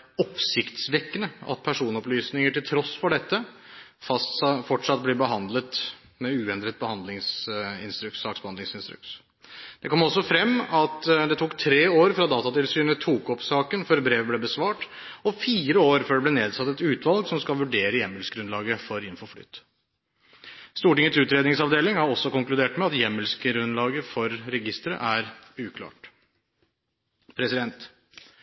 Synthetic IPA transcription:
ɔpsɪkt̪sʋɛkːənəɑ̰t̪̚pʰæʂuːnɔplyːsnɪŋəʈɪlt̪ʰɾɔsːfɔɖɛt̪ːə | fɑsfɔʈʂɑt̪̚blɛbəɦɑnd̪lət̪ | mɛʉːɛnd̪ɾət̪̚bəhɑnd̪lɪŋsɪ̰nst̪ɾʉkt̪sɑːksbəhɑnd̪ɪŋsɪnst̪ɾʉ̰kt̪ | d̪̥ɛkʰɔmːɔsːɔfɾɛmːɑt̪d̪ɛt̪ʰuːkt̪ʰɾeːoːɾfɾɑd̪ɑːt̪ɑt̪ɪlsyːnət̪ʰuːkɔpsɑːkənføːɾbɾeːʋəblɛbəsʋɑːʈɔfiːɾəoːɾføːɖɛblɛneːd̪sɑt̪ːɛt̪ʉːt̪ʋɑlɡsɔmskɑlʋʉɖeːɾəjɛmːəlsɡɾʉnlɑːɡəfɔɾɪnfɔfly̰ːt̪ | st̪uːʈɪŋːət̪sʉːt̪ɾeːd̪ɪŋsɑʋd̪eːlɪŋhɑɾɔsːɔkʊŋklʉd̪eːʈmɛɑt̪jɛmːəlskɾʉnlɑːɡəfɔɾːɛɡɪst̪ɾə̰ʔæɾʉːkʰlɑ̰ːʈ | pʰɾɛsɪd̪ɛnt̪

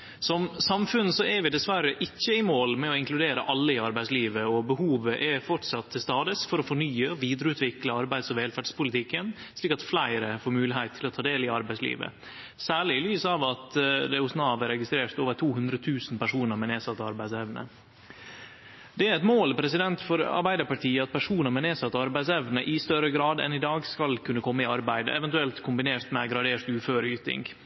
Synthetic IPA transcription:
sɔmsɑmfʉnːəsɔɛɾʋɪd̪ɛsʋæɾəʔɪçːəɪmoːlmɛɔɪŋklʉd̪eːɾəʔɑlːəɪɑɾbæɪsliːʋəɔbəhuːʋəʔɛfɔʈʂɑt̪ːəst̪ɑːd̪ɪsfɔɾɔfɔɳyːəɔʋiːd̪ɾəʉːt̪ʋɪkləɑɾbæɪd̪sɔʋɛːlfæɖspʊlɪt̪ʰɪkːən | sliːkɑt̪flæɪɾəfoːɾmʉːlɪhæɪt̪ʰːɪlɔt̪ʰɑːd̪eːlɪɑɾbæɪslḭːʋə̰ | sæːɭɪɪlyːsɑʋɑt̪d̪ɛʊsnɑːʋəɾɛɡɪst̪ɾeːɾt̪oːʋət̪ʰuːhʉnd̪ɾət̪ʰʉːsnpæʂuːnəɾmɛneːsɑt̪ːəɑɾbæɪsɛʋnə̰ | d̪̥ɛæɾɛt̪moːlpʰɾɛsɪd̪ɛnt̪fɔɾɑ̰ɾbæɪd̪əɾpɑʈʰiːəɑt̪̚pʰæʂuːnəɾmɛneːsɑt̪ːəɑɾbæɪd̪sɛʋnəʔɪst̪œɾəɡɾɑːd̪ɛ̰nɪd̪ɑːɡskɑlkʰʉnːəkʰɔmːəɪɑɾbæɪd̪ə̰ʔɛʋɛnt̪ʉɛlt̪kʰʊmbɪneːɾt̪mɛɡɾɑd̪eːɾt̪ʉːføːɾəyːt̪ɪ̰ŋɡ

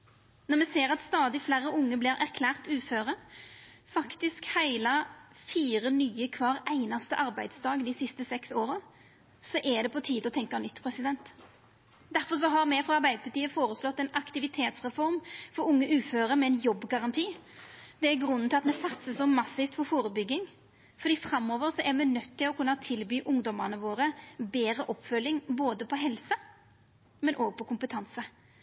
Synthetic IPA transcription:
nɔʁɾmɛseːɾɑt̪st̪ɑːd̪ɪflæːɾːəʊŋːəblɪɾʔæ̰ɾkʰlæːʁt̪ʉːføːʁə | fɑkt̪ɪskhæɪlɑfiːʁənyːəkʰʋɑːʁæɪnɑst̪əʔɑɾbæɪd̪sd̪ɑːɡnd̪ɪsɪst̪əsɛksoːɾə | sɔʔɛd̪ɛpʰɔt̪ʰiːd̪ɔt̪ʰɛŋkɑnʏt̪ːpʰʁɛsɪd̪ɛnt̪ | d̪æɾfɔʂ̬ɔɦɑɾmɛfɾɑɑɾbæɪd̪əpʰɑʈt̪iːəfoːɾəslɔt̪ːɛnɑkt̪ɪʋɪt̪ʰeːt̪sʁɛfɔʁmfɔɾʊŋːəʔʉːføːɾəɾmɛɛnjɔbːɡɑʁɑnt̪ʰiːd̪ɛæɡɾʉnːn̩t̪ɪlɑt̪mɛsɑt̪səsɔmːɑsɪft̪fɔfoːɾəbʏɡɪŋ | fɔɾd̪iːfɾɑmːɔːʋəɾsɔʔɛɾmɛnœt̪ːɪlɔkʉnːɑt̪ʰɪlbyːʔʊŋd̪ɔməʁnəʋoːɾəbeːɾəʔɔpːfœlːɪŋboːd̪əpʰɔɦɛlsə | mɛnʔoːɡ̚pʰɔkʰʊmpət̪ʰɑnsə

